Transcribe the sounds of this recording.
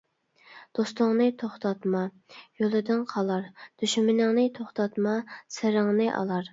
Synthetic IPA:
d̪̥ost̪ʊŋnɨt̪ʰoχt̪ʰɑt̪mɑ | jolˠɨd̪ɪnqʰɑlˠɑɾd̪̥yʃmɪnɪŋnɨt̪ʰoχt̪ʰɑt̪mɑsɪɾɪŋnɨʔɑ̰lˠɑɾ

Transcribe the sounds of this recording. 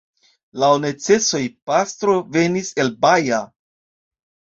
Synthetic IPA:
laone̞t͡se̞so̞jpast̪ɾo̞ve̞nise̞lbaja

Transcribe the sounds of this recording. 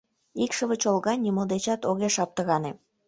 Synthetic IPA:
ikʃəβət͡ɕolɣɑnʲimold̪et͡ɕɑt̪oɣeʃɑp̚t̪əɣɑne

